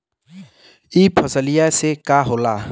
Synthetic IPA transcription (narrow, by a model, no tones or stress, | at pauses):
ipʰəsəlijasekaːɦolaː